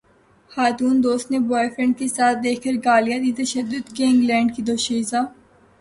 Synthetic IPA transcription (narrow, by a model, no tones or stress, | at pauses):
xaːt̪uːnd̪oːst̪nebɔːefɾə̃ɳɖ̚kesaːt̪̚ʰd̪eːkʰkəɾɡaːlijad̪it̪ɐʃəd̪ːʊd̪keɪ̃ŋɡlɛ̃ːɳɖkid̪oːʃizaː